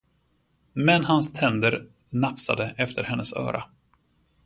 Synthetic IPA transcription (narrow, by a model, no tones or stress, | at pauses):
mɛnhanst̪ʰɛnd̪əɾ | napsa̰d̪əʔɛft̪ʰəɾhɛnːəsœ̰ːɾʔa̰